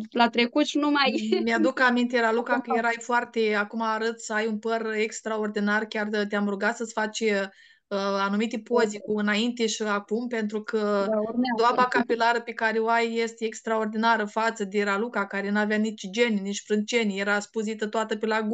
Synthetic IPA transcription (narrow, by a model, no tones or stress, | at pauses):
lat̪ɾekut̪ʃnumajmjad̪ukamint̪eɾalukakəjeɾajfoart̪eakumaːɾət̪səajunpərekst̪ɾao̞rd̪inarkʲart̪eamɾuɡat̪səsfat͡ʃe | əanumit̪epozikuɨnaint̪e̞ʃiakumpe̞nt̪ɾukʰəed̪oabakapilaɾəpekaɾeoajːest̪ʲeekst̪ɾao̞rd̪inaɾəfat̪səd̪eɾalukakaɾe̞nuavjanit͡ʃd͡ʒenʲnit͡ʃʲfɾɨnt͡ʃe̞nʲjeɾaspuzit̪ət̪oat̪əpelaɡ